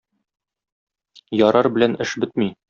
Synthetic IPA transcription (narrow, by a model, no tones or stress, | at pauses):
jɒɾɑɾbɘ̆lænɘʃbɘt̪mi